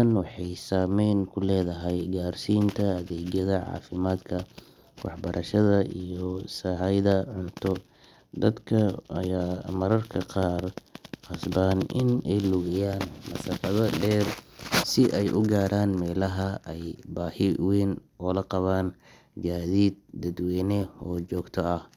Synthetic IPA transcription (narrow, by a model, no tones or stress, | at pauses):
ɐnwɑħɑjsaːmɛjnkʰʊlɛːðɐɦɛjɡaːrsiːnt̪ʰɐːðɛːɡjɐðɐʕɑ̰ːfɪmaːd̪kʰɐ | wɑħbɐɾʔɐʃɐðɐʔijɔsaːɦɐjðɐʕʊnt̪ʰɔ | d̪ɐd̪kʰɐɐ̰jaːmɐɾɐrkʰɐqɑːrqɑsbaːnɪ̰nɛjlʊɣɐjaːnmɐsɑqɐðɐɖɛːrsɪʔɛjʔʊɡaːɾaːnmɛːlɐɦɐɛjbaːhɪwɛːn | ɔːlɐqɑβaːn | ɡaːðiːd̪̚d̪ɐd̪wɛːnɛɔːd͡ʒɔːɡt̪ʰɔɐh